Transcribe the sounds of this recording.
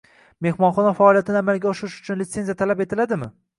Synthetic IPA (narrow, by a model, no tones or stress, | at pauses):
me̞hmɒnχɒnafaɒːlˠijat̪ʰɪnɪamalɡʲaɒʃɪɾɪʃʊ̥t͡ʃʰʊnlɪt̪sezijat̪ʰalapet̪ʰɪlad̪ɪmɪ̰